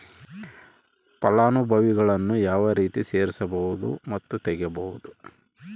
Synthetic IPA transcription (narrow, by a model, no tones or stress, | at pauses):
pɐlaːnubʱɐʋiɡɐɭɐnːujaːʋɐɾiːt̪ise̞ːɾisɐbɐɦud̪ṵmɐt̪ːut̪ɛɡjɐbɐɦud̪u